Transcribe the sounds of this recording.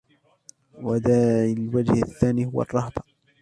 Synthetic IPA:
wad̪aːɪlwad͡ʒhaθːaːniːhʊwɑ̰rˤːɑhd̪ˤɑ

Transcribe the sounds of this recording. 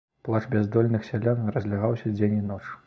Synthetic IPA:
plˠat͡ʂbʲɛzd̪ɔlʲnɨxsʲalʲanrɐzʲlʲaɣawsʲɐd͡zʲenʲinɔt͡ʂ

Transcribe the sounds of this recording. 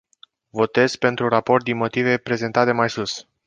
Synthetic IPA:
vo̞t̪e̞zpe̞nt̪ɾuɾapo̞rt̪̚d̪inmo̞t̪ive̞pɾe̞ze̞nt̪at̪emajsus

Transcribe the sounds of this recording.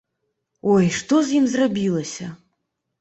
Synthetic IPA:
ɔjʂt̪ɔzʲjimzrabʲilˠɐsʲɐ

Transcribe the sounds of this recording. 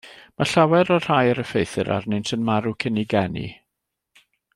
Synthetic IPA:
maɬawɛɾɔr̥ajəɾəfejθɨ̰ɾʔa̰rnɨntʰənmaɾukʰəniɡɛnḭ

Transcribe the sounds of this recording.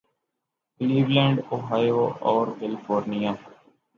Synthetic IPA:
kliːʋlɛ̃ːɳɖoːɦaːjoːɔːɾkɛlɪpʰoːɾnijaː

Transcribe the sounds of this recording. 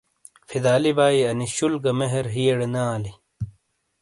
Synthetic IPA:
fid̪aːlibaːiɐniɕulɡɐmeɦeɾɦijeɽenaːli

